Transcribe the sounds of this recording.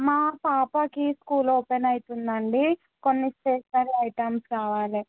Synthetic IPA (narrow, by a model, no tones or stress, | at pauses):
maːpaːpɐkiskuːloːpenɐjit̪und̪ɐɳɖi | ko̞nːisʈeːʂnɐlɐjʈɐmskaːʋaːli